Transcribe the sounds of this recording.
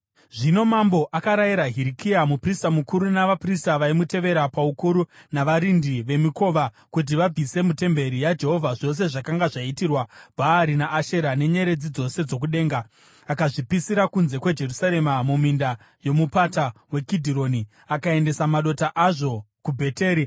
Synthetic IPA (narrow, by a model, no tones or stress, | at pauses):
ʐino̞mambo̞ʔakaɾajiɾaɦiɾikiamupristamukuɾunaʋapristaʋaimute̞ʋe̞ɾapaukuɾunaʋaɾindiʋe̞miko̞ːʋa | kut̬iʋab͡vʱise̞mute̞mbe̞ɾijad͡ʒe̞ɦo̞vʱaʐo̞s̬e̞ʐakaŋɡaʐaitirwab̥ʱaːɾinaʔːʃe̞ɾane̞ɲe̞ɾe̞d͡zid͡zo̞se̞d͡zo̞k̬uɗe̞ːŋɡaː | kaʐipisiɾakunze̞kwed͡ʒe̞rusaɾe̞mamuminda | jo̞mupatawe̞kidʱiɾo̞ni | akae̞nde̞samaɗo̞taʔaʐo̞ | kubʱe̞te̞ːɾi